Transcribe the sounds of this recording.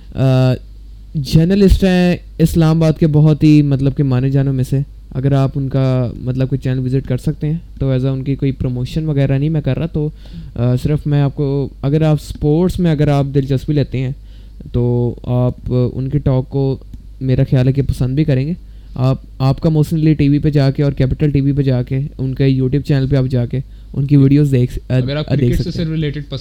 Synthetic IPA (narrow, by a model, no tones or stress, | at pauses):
d͡ʒəːɾnəlɪsʈɦɛ̃ | ɪslaːmabaːd̪kebɔɦɔt̪ɦimɐt̪ləb̚kemaːned͡ʒaːnõmẽse | ɐ̰ɡəɾaːpʊnkamɐt̪ləb̚koit͡ʃɛːnəlʋɪzɪʈkɐɾsɐk̚t̪eɦɛ̃ːt̪oɛːzaʊnkikoːipɾoːmoːʃənʋɐɣɛːɾanɐɦĩmɛ̃kɐɾːat̪oː | sɪɾəfmɛ̃aːp̚koɐɡəɾaːpspoːɾʈsmẽɐɡəɾaːp̚d̪ɪlt͡ʃɐsbileːt̪eɦɛ̃ː | t̪oːaːpʊ̰nkeʈɔːkːo | meːɾaxjaːlɦɛk̬epɐsə̃nd̪̚bʱikɐɾẽːŋɡeː | aːp̚ | aːpkamoːʃənliʈiːʋiped͡ʒaːkeɔːɾkɛːpɪʈəlʈiːʋiped͡ʒaːkeʊnkejuːʈjuːb̚t͡ʃɛːnəlpeaːp̚d͡ʒaːke | ʊnkiʋiːɖijoːzeːkɾaːd̪eːksɐkẽːɾɪleːʈɪɖ